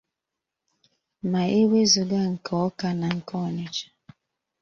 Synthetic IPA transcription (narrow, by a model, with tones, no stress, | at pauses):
ma˨e˦we˦zu˨ɡa˦ŋ̩˨kʰɔ˨˦ka˦na˨ŋ̩˨kɔ˦˨nɪ˨t͡ʃḁ˦